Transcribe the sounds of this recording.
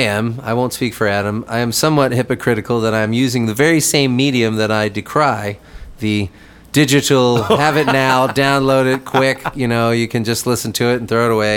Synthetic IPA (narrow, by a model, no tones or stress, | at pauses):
ɪɨ̃ma̰ɪwõʊ̃ntspikfə˞æɾɨ̃ma̰ɪɨ̃msʌ̃mwʌt̚hɪpɨkʰɹ̥ɪɾɨkl̩ˠðəɾãɪɨ̃mjʉzɪ̃ŋðɨvɛɹisẽɪ̃mːiɾiɨ̃mðɨɾaɪdɨkʰɹ̥aɪðɨ | d̥ɪd͡ʒɨɾl̩ˠhævɨtⁿnaʊdãʊ̃nloʊɾɨd̚kʰw̥ɪkjɨnoʊjɨkʰɨ̃nd͡ʒʌstˡlɪsn̩tʰɨːtn̩θɹoʊəɾəweɪ